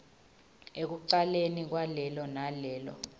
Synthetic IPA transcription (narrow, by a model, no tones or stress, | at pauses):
ek̬uǀalenik̬walɛlɔnalɛːlɔ̰